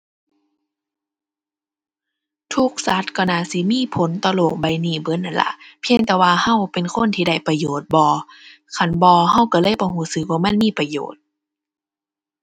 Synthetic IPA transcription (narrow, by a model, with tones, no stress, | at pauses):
t̪ʰu˧˦k̚sa˧˦t̪̚kɔ˧˩naː˧˩si˧˦miː˧˥˨pʰo˨˦nt̪ɔː˧loː˧˩k̚ba˧˨jniː˧˩bɤ˧˥˨nʔa˨˧˩nlʔa̰˧˦ʔpʰi˧əŋt̪ɛː˧waː˧ha˧˨wpe˨nkʰo˧˥˨nt̪ʰiː˧da˧˩jpa˧joː˨˩t̪̚bɔː˧˦ | kʰa˧˩˨nbɔː˧ɦha˧˥˨wka˧˩lɤː˧˥˨jbɔː˧˦ɦuː˧˦sɯ˧˦k̚waː˧˨ma˧˥˨nmiː˧˥˨pa˧jo̰ː˨˩˦t̪̚